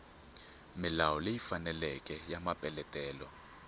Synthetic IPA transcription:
milawɔlejifanɛlɛkʼɛjamapʼɛlɛtʼɛːlɔ

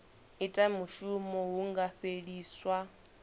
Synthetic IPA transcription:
itʼamuʃumɔɦuŋɡaɸeɺiːswa

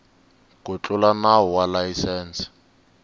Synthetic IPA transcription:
kʊt͡ɬʼʊlanaɦɔwalajisɛːnsɪ̥

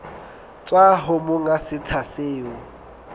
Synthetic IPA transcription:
t͡sʼwaɦʊmʊŋasɪt͡sʰaseːʊ

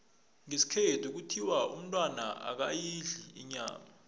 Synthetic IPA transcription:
ŋesi̥kʰɛtʰuk̬utʰiwaṵm̩tʼwanaʔa̰k̬ajiɮiḭɲa̰ːma

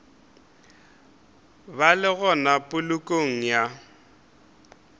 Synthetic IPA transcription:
balɪɣɔnapʼʊlʊkʼoŋ̩ja

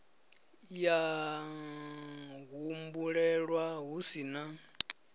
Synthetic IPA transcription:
ja | ɣumbuɺɛɺwaɦusina

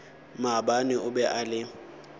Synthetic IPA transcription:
mabanɪʊbɛʔalɪ

